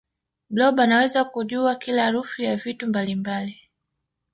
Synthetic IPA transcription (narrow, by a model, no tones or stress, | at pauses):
blɔɓanawɛzakuʄuakilaːɾufujavitumbalimbali